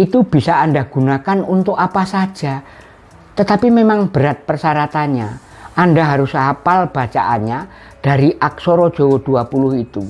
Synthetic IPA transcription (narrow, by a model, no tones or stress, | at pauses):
ʔit̪ub̥isaːndaɡ̥unakanunt̪ʊkapasḁd͡ʒ̥a | t̪ət̪apimemaŋb̥əɾat̪̚pərsaɾat̪anɲa | ʔandaɦaɾʊsaapalb̥at͡ʃaʔa̰nɲa | d̥aɾiʔak̚soɾɔd̥ʒ̥owɔd̥uapulʊhit̪u